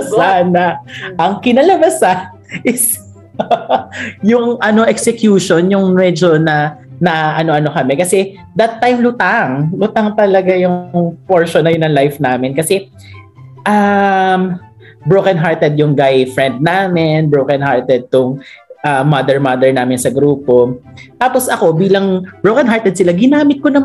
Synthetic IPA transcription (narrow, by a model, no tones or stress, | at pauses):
sanɐʔɐŋkɪnɐlɐmɐsan | ʔɪs | jʊŋʔɐno̞ʔɛksɛkjuːʃonjʊŋmɛd͡ʒonɐnɐʔɐno̞ʔɐno̞kɐmɛkɐsɛ | d̪ɐt̪ːajmlʊt̪aŋlʊt̪aŋt̪ɐlɐɡajʊŋpoɹʃonːɐjʊnːɐŋlajfnaːmɪnkɐsɛ | ʔɐm | bɹowkɐnɦaɹt̪ɛd̪̚jʊŋɡajfɹɛnd̪̚naːmɪnbɹowkɐnhaɹt̪ɛd̪̚t̪ʊŋʔɐmɐd̪ɛɹmɐd̪ɛɹnaːmɪnsɐɡɾuːpo̞t̪aːpo̞sʔɐko̞biːlɐŋbɹowkɐnɦaɹt̪ɛd̪̚sɪlaɡɪnaːmɪt̪̚konɐ